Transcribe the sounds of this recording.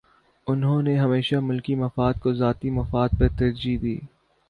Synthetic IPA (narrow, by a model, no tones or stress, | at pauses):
ʊnɦõːneɦɐmeːʃamʊlkimɐfaːd̪̚kozaːt̪imɐfaːd̪̚pɐɾt̪ɐɾd͡ʒid̪iː